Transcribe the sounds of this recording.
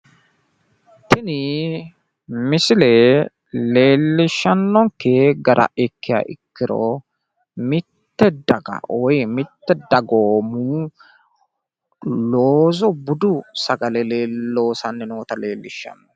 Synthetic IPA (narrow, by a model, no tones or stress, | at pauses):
t̪ɪnɪ | mɪsɪlɛ | le̞ːlːɪʃːɐnːɔŋkːeɡɐɾɐ̰ɛkːɪja̰ːʔɪkːɪɾɔ̰ | mɪt̪ːɛd̪ɐɡɐ̰ʔɔjmɪt̪ːɛd̪ɐɡoːmu | loːzɔbʊd̪ʊsɐɡɐlɛleːlːo̞ːsɐnːɛnoːt̪ɐle̞ːlːɪʃːɐ̰nːɔ